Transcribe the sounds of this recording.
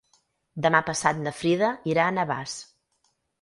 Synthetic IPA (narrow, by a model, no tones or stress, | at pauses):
d̪əmapəsat̪̚nəfɾiðəiɾaːnəβa̰s